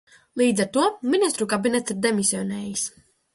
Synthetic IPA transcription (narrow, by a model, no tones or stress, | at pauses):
lˠiːd̪zɛɾt̪uɔminʲist̪ɾukabinɛt̪siɾd̪ɛmisiɔnɛːjis